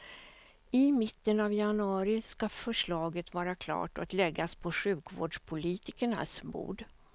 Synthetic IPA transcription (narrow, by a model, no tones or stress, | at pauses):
ɪmɪt̪ːənavjanɵɑːɾɪskafœʂɭɑːɡət̪vɑːɾakʰlɑ̰ːʈɔ̰k̪lɛɡːaspʰɔɧʉ̟ːkvo̰ːɖʂpʰʊliːt̪ɪkəɳa̰smbṵːɖ